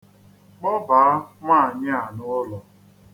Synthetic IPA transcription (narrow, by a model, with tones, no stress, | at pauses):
k͡pɔ˦ba˨a˦ma˦a˨ɲɪ˦a˨nʊ˦ʊ˦lɔ˨